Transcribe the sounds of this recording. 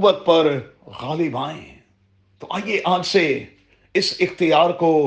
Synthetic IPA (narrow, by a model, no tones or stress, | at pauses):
bət̪̚pɐɾ | ɣaːlɪbãːḛ̃ | t̪oʔaːijeʔãːd͡ʒse | ɪsɪxt̪ɪjaːɾko